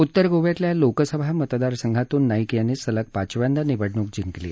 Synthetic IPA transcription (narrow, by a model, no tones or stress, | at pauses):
ut̪ːəɾɡoʋjat̪ljalokəsəbʱamət̪d̪aɾsəŋɡʱat̪uːnːaikjanesələk̚pat͡ɕʋjãnd̪aniʋəɽɳuːk̚d͡ʑiŋklḛː